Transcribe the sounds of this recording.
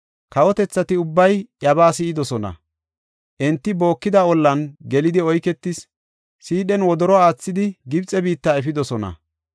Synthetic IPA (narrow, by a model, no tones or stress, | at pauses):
kɐwɔt̪ɛt͡sːɐt̪ɪʊbːɐjjɐbaːsɪɪd̪ɔsɔnɐ̰ | ʔɛnt̪ːɪbo̞ːkːɪd̪ɐɔlːɐnɡɛlɪd̪ɪɔjkɛt̪ːɪsː | iːɗɛnwɔd̪ɔɾɔaːt͡sːɪd̪ɪɡɪbt͡sʼːɛbiːt̪ːaːɛfɪd̪ɔsɔnɐ̰